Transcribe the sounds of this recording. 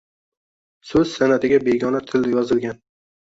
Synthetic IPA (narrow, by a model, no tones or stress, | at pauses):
sɵz̥sanat̪ʰɪɡʲabeɡʲɒnat̪ʰɪld̪ɪjɒzɪlɡʲan